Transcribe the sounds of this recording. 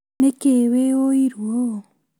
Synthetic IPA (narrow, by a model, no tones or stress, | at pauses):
nekewewoiɾwo